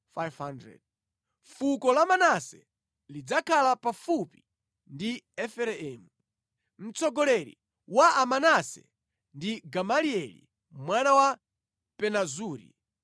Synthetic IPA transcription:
fajvhandɾɛ̰d̚ | fukɔlamanasɛ̰ | lid͡zakʰalapafupi | ndiɛfɛɾɛɛːmu | m̩t͡sɔɡɔlɛɾḭ | waʔamanasɛ̰ | ndiɡamaliɛlḭ | mwanawa | pɛnazuːɾḭ

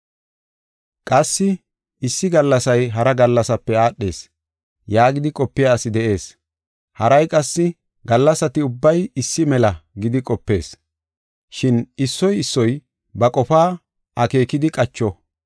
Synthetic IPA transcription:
kʼɐsːɪ | ɪsːɪɡɐlːɐsɐjɦɐɾɐɡɐlːɐsɐpːɛaːɗːe̞ːs | jaːɡɪd̪ɪkʼɔpːɪjasɪd̪ɛʔe̞ːs | hɐɾɐjkʼɐsːɪ | ɡɐlːɐsɐt̪ɪʊbːɐjɪsːɪmɛlɐɡɪd̪ɪkʼɔpːe̞̰ːs | ʃɪnɪsːɔjɪsːɔj | bɐkʼɔfaː | ʔɐke̞ːkɪd̪ɪkʼɐt͡ʃːɔ

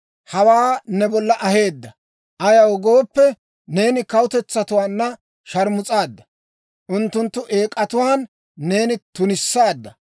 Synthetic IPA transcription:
hɐwaːnɛbɔlːɐʔɐhe̞ːd̪ːɐ | ʔɐjɐwɡo̞ːpːɛ | ne̞ːnɪkɐwʊt̪ɛt͡sːɐt̪ʊwaːnːɐ | ʃɐɾmʊt͡sʼaːd̪ːɐ | ʔʊnt̪ːʊnt̪ːʊʔe̞ːkʼːɐt̪ʊwaːnː | e̞ːnɪt̪ʊnɪsːaːd̪ːɐ

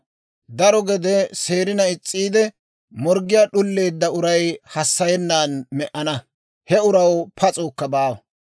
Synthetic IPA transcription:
d̪ɐɾɔɡɛd̪ɛse̞ːɾɪnɐɪt͡sʼːiːd̪ɛ | mɔɾɡɪjaːɗʊlːe̞ːd̪ːɐʊɾɐjhɐsːɐjɛnːaːnmɛʔɐnɐ | hɛʊɾɐwpʰɐt͡sʼoːkːɐbaːwɐ

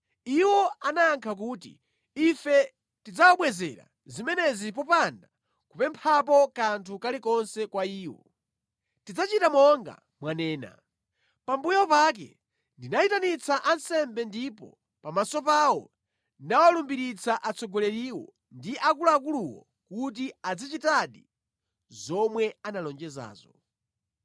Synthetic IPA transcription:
iwɔanaːŋkʰak̬uːtḭ | ifɛ | tid͡zawaɓwɛzɛɾa̰ | zimɛnɛzipɔpanda | kupɛmpʰap̬ɔkantʰukalikɔnsɛkwaiːwɔ̰ | tid͡zat͡ʃitamɔŋɡa̰ | mwanɛːna̰ | pambujɔpak̬ɛ̰ | ndinaitanit͡saʔansɛmbɛndipɔ̰ | pamasɔpawɔ | nawalumbiɾit͡saʔat͡sɔɡɔlɛɾiwɔ̰ | ndiʔakulak̬uluwɔ̰ | kut̬iad͡zit͡ʃitaɗi | zɔmwɛanalɔnd͡ʒɛza̰ːzɔ

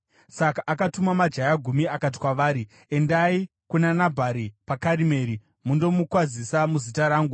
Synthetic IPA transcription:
sakaʔːkatumamad͡ʒajaɡʱumiakat̬i̥kwaʋaːɾi | e̞ndai | kunanabʱaɾipakaɾime̞ːɾi | mundo̞mukwazisamuzitaɾaːŋɡu

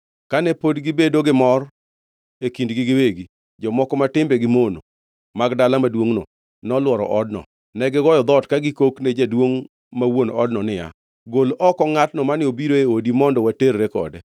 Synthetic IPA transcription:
kanɛpodɡɪbedoɡɪmɔr | ekindɡɪɡɪweɡi | d͡ʒɔmɔkɔmatɪmbeɡɪmono | maɡdalamadwoŋnɔ | nɔlwɔɾɔ̰ʔɔdnɔ̰ | nɛɡɪɡɔjɔd̪ɔtkaɡɪkokned͡ʒadwoŋ | mawonɔdnɔnɪja̰ | ɡolɔkɔŋatnɔmanɪobiɾoeodimɔndɔwateɾɾekɔ̰dɛ

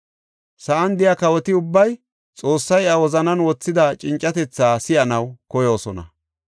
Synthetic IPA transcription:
sɐʔɐnd̪ɪjakɐwɔt̪ɪʊbːɐj | t͡sʼo̞ːsːɐjɐwɔzɐnɐnwɔt͡sːɪd̪ɐt͡ʃʼɪnt͡ʃʼːɐt̪ɛt͡sːaːsɪjɐnɐwkɔjo̞ːsɔnɐ̰

